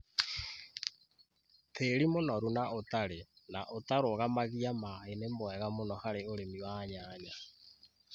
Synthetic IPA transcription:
teɾimonɔɾunaotaɾenaʔotaɾoɣamaɣiamaenemwɛɣamonɔhaɾeoɾemiwaːɲaːɲa

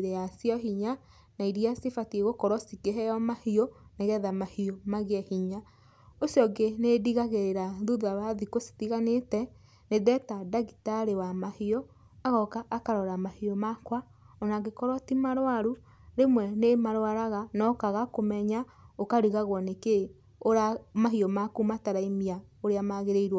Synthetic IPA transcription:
ɾɛasjɔɦiɲa | naiɾiasefatieɣokɔɾwɔsikeɦɛjɔmahioneɣɛðamahiomaɣɛhiɲa | osjɔɡenediɣaɣeɾeɾaðuðaβaðikosi̥tiɣanetɛ | neðɛtadaɣitaɾewamahiɔ | aɣɔkaʔːkaɾɔɾamahiɔmakwa | ɔnaɣekɔɾwatimaɾwaɾu | ɾemwɛnemaɾwaɾaɣanɔkaɣakomɛɲa | okaɾiɣaɣwɔneke | oɾamaɦiɔmakumataɾaimiaoɾeamaɣeɾeiɾwa

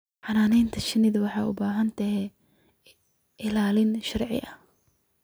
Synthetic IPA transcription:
ħɑnaːnɛjnt̪ʰɐʃɪnɪðɐwɑħɑːʔʊ̰baːɦɐnt̪ʰɐɦɛ | ʔɪlaːlɪnʃɐrʕɪ̰ʔɐh

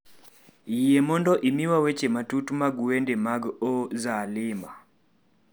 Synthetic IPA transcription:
ijɛmɔndɔʔimiwawɛt͡ʃɛmatutumaɡuwɛndɛmaɡɔzalɪma

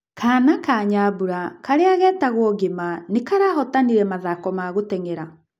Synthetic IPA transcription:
kʰaːnakaɲaβuɾakaɾeaɣɛːtaɣwɔɣemanekaɾaɦɔtaniɾɛmaðakɔmaɣotɛŋeɾa

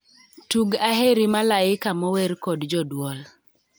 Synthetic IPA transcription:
tuɡaɦeɾimalaɪkamɔwɛɾkɔdd͡ʒɔdwɔl

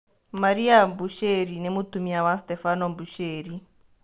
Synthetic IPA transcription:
maɾiambuʃeɾinemutumiawastefanombuʃeːri

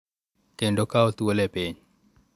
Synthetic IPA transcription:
kendokaot̪uolepiɲ

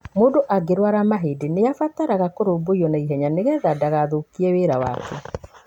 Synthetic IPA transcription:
moːndoʔaɡeɾwaɾamaɦedeneafataɾaɣakoɾoːboiɔnaiɦɛɲaneɣɛðadaɣaðokiɛweɾawa̰kʰɛ

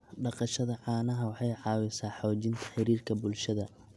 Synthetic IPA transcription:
ɖɑqɑʃɐðɐʕɑːnɐɦɐwɑħɑjʕɑːwɪsaːħɔːt͡ʃɪnt̪ʰɐ̥ħɪɾiːrkʰɐbʊlʃɐðɐ

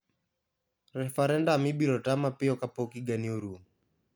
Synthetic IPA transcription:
ɾɛfaɾɛndaːmibiɾɔtamapɪɔkapɔkiɡaniɔɾu

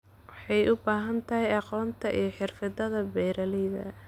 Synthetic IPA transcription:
wɑħɑjʔʊbaːɦɐnt̪ʰɐɦɛjɑqɔːnt̪ʰɐʔijɞħɪrfɪd̪ɐðɐbɛːɾɐlɪðɐ̰

